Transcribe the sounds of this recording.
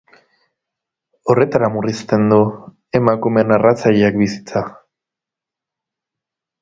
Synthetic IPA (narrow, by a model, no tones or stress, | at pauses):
o̞re̞t̪aɾamurist̪e̞nd̪u | e̞makume̞narat͡saʎeakbisi̥t͡sa